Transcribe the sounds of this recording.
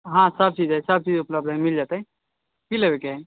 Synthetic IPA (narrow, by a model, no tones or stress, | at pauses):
ɦãsəb̚t͡ʃid͡ʒɛsəb̚t͡ʃid͡ʒupləb̚d̪ʱɦɛmild͡ʒat̪əɦɛ̃ | kilebekeɦɛ